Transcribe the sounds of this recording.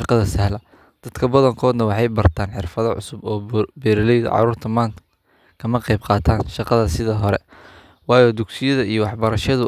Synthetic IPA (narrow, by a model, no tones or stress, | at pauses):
qɑðɐsɛhlɐ | d̪̥ɐd̪kʰɐbɐðɐŋkʰɔːd̪nɐwɑħɑjbɐrt̪ʰaːnħɪ̰rfɐðɐʕʊ̰sʊbɔːbɛɾɪlɛjð̰ʕɑ̰ɾuːrt̪ʰɐmaːnt̪ʰɐ | kʰɐmɐqɑjb̚qɑːt̪ʰaːnʃɑqɑðɐsɪðɐɦɔɾɛ̰ | wɑːjɔːd̪ʊɡsɪjɐðɐijɔwɑħbɐɾɐʃɐðʊ